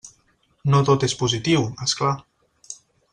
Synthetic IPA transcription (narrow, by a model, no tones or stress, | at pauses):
not̪ot̪espuzit̪iwɛskla